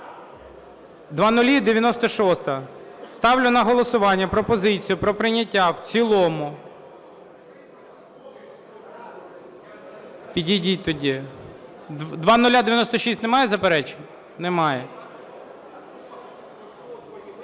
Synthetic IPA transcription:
d̪ʋɑnʊlʲid̪eʋʲjɐnɔst̪ɔʃɔst̪ɐst̪ɑwlʲʊnɐɦɔlˠɔsʊʋɑnʲːɐpɾɔpɔzɪt͡sʲijʊpɾɔpɾɪnʲɐtʲːawt͡sʲilˠɔmʊ | pʲidʲidʲit̪ɔdʲi | d̪ʋɑnʊlʲad̪eʋʲjɐnɔst̪ɔʃisʲtʲnemɑjɛzɐpeɾɛt͡ʃe̥nʲ | nɛmɑjɛ

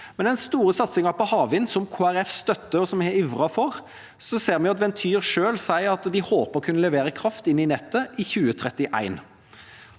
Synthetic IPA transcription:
mɛnæɪnst̪uːɾəsɑt̪sɪŋɑpʰɔhɑːʋɪnsɔmkʰoːæɾɛfst̪œt̪ːəɔsɔmɪʋʁɑfɔʁ | sɔseːʁmɛnjʊɑt̪ʋɛnt̪ʰyːʁʂøːlsæɪɑt̪d̪ɪhoːpəɾɔkʰʉnːəlɛʋeːɾəkʰɾɑft̪ɪnːɪnɛt̪ːəʔɪçʉːət̪ʰɾɛt̪ːɪʔæ̰ɪn

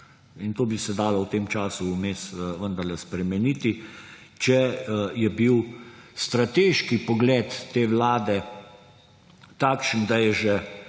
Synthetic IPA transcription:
int̪oːbisɛd̪aːlɔwt̪eːmt͡ʃaːsuːmeːsʋənd̪əɾlɛspɾɛmɛniːt̪i | t͡ʃɛjɛbiwst̪ɾat̪eːʃkipɔɡlɛːt̪ːeːʋlaːd̪ɛ | t̪aːkʃənd̪ajɛʒɛ

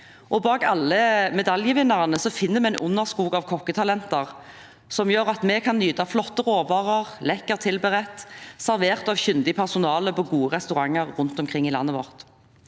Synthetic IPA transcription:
ʔɔbɑːkɑlːəmɛd̪ɑljəʋɪnːɑʁənəsɔfɪnːəmɛɛnʔʊnːəʁskuːɡɑʋkʰɔkːət̪ʰɑlɛnt̪əʁ | sɔmjøːʁɑt̪mɛkʰɑnːyːd̪ɑflɔt̪ːəʁoːʋɑːʁəʁlɛkːəʁt̪ʰɪlbəʁɛt̪sæɾʋeːʁt̪ɑʋçʏnd̪ɪpʰæʁsʊnɑːləpʰɔɡuːəʁɛst̪ʉʁɑŋːəʁːʊnt̪ɔmkʰʁɪŋːɪlɑ̰nːəʋɔ̰ʁt̪

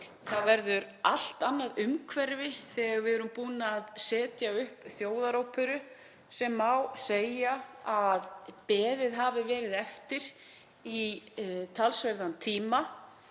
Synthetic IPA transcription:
θaðvɛɾðʏɾal̥t̪anːaðʏmkʰvɛɾvɪθɛɣaɾvɪɛɾʏmpuːnaːðsɛːt̪jaʏhpθjoːwðaɾowpʰʏɾʏ | sɛmːawseːjaaðpɛːðɪðɦaːvɪvɛːɾɪðɛft̪ɪɾ̥ | i | t̪ʰalsvɛɾðant̪ʰiːma

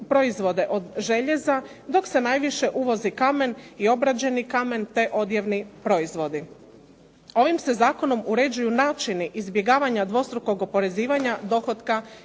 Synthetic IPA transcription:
pɾo̞izʋo̞d̪e̞ʔo̞d̪ʒe̞ʎe̞za | d̪o̞kse̞najʋiʃe̞ʔuʋo̞zikame̞nio̞bɾad͡ʑe̞nikame̞nt̪e̞ʔo̞d̪jeʋnipɾo̞izʋo̞d̪i | o̞ʋimse̞zaːko̞no̞muɾe̞d͡ʑujunaːt͡ʃiniʔizbje̞ɡaːʋaɲad̪ʋo̞st̪ɾuko̞ɡo̞po̞ɾe̞ziːʋaɲad̪o̞xo̞d̪ka

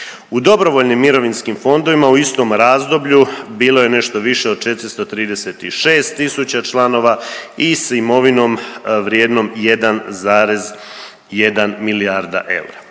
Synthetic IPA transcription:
ud̪o̞bɾo̞ʋoʎnimːiɾo̞ʋinskimfo̞nd̪o̞ʋimauist̪o̞ːmɾaːzd̪o̞bʎubiːlo̞je̞ne̞ʃt̪oʋiʃeo̞d̪̚t͡ʃe̞t̪ɾist̪o̞t̪ɾiːd̪e̞set̪iʃe̞ːst̪ːisut͡ɕat͡ʃlˠano̞ʋaisimo̞ʋino̞ːmʋɾjeːd̪no̞mjed̪anzaːɾez | jed̪anmiliaɾd̪a̰ʔe̞̰uɾa

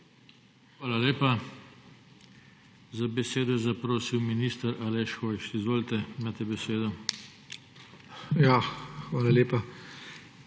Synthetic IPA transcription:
xʋaːlaleːpa | zabɛseːd̪ɔjɛzapɾoːsiwminiːst̪əɾalɛʃxoːjʃizʋoːlt̪ɛmaːt̪ɛbɛseːd̪ɔ | jaxʋaːlaleːpa

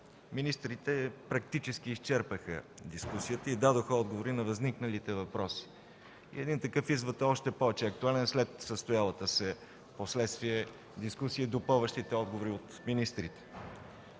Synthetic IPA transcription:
minist̪ɾit̪ɛpɾɐk̚t̪it͡ʃɛsk̟iːst͡ʃɛɾpəxə̰d̪iskusijət̪əid̪ad̪oxəɔd̪ɡovoɾinɐvɐzniknəlit̪ɛvɐpɾɔsi̥ | ḭɛd̪int̪ɐkɤfizvət̪əɔʃt̪ɛpɔvɛt͡ʃɛɐk̚t̪ualɛnslɛt̪səst̪ʊjalˠət̪əsɛ | poslɛt̪st̪viɛ | d̪iskusiid̪opɔvəʃt̪it̪ɛɔd̪̚ɡovoɾiot̪minist̪ɾit̪ɛ̥

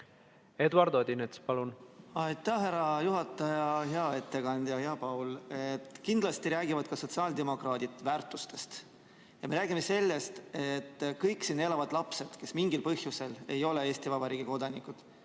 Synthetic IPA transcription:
ed̪uɑɾd̪̥od̪inet̪spɑlunɑjt̪ːˑæhɦæɾɑjuɦɑt̪ːˑɑjɑɦeɑe̞t̪ːe̞kɑnd̪jɑheɑpɑwlet̪kind̪̥lɑst̪iɾæːɡivɑd̪̥kɑso̞t̪siɑld̪e̞mo̞krɑːd̪̥it̪væːrt̪ːˑust̪e̞st̪ | jɑme̞ɾæːɡ̥imese̞lːe̞st̪e̞t̪ːkɤjkˑsiːne̞lɑvɑd̪̥lɑpse̞d̪̥ke̞smiŋɡilpɤhjuse̞le̞jo̞le̞e̞ːst̪ivɑbɑɾiːɡ̥iko̞d̪ɑnikud̪̥

